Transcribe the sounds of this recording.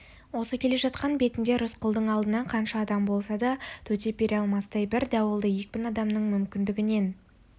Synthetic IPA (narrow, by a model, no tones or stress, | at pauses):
wo̞səkʲʰe̞le̞ʒɑt̪qɑnbe̞t̪ɪnd̪e̞ɾʊsqʰʊlˠd̪əɴɑlˠd̪ənɑɴqʰɑnʃɑːd̪ɑmbo̞lˠsɑd̪ɑt̪ʰɵt̪e̞pʲeɾeɑlˠmɑsd̪ɑjbɪɾd̪ɑwəlˠd̪əje̞k̚ʲpʲɪnɑd̪ɑmnəɴmʏmkʲɪnd̪ɪɡʲɪne̞n